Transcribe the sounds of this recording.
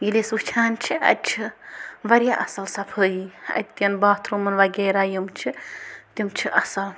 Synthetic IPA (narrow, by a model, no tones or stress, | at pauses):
ɡilesut͡ʃʰaːnt͡ʃʰiʔɐ̰t̪̚ʲt͡ʃʰiʋɐɾʲjaʔɐsɐlsɐpʰəːjiɐ̰t̪̚ʲt̪ːjɐnbaːt̪ʰɾumɐnʋɐɡeːɾaːjimt͡ʃʰit̪imt͡ʃʰiʔɐsɐl